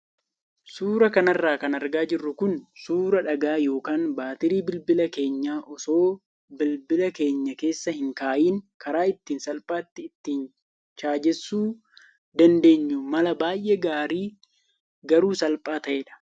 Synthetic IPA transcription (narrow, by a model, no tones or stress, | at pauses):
suːɾɐkɐnɐrːaːkɐnɐɾɡaːd͡ʒɪrːʊkʊnsuːɾɐᶑɐɡaːjo̞ːkaːnbaːt̪ɪɾiːbɪlbɪlɐke̞ːɲːaːʔɔso̞ː | bɪlbɪlɐke̞ːɲːɐke̞ːsːɐhɪŋkaːʔiːŋkʰɐɾaːɪt̪ːiːnsɐlpʼaːt̪ːɪːt̪ːiːn | t͡ʃaːd͡ʒɛsːuː | d̪ɐnd̪e̞ːɲːʊmɐlɐbaːjʔɛɡaːɾiː | ɡɐɾuːsɐlpʼaːt̪ɐʔeːᶑɐ̥